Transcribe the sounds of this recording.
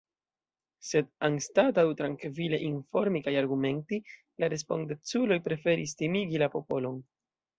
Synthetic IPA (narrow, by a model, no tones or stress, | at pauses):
se̞danstatawtɾaŋkvile̞ʔinfo̞ɾmikajaɾɡume̞nti | laɾe̞spo̞ndet͡sulo̞jpɾe̞fe̞ɾis̬timiɡilapo̞po̞lo̞n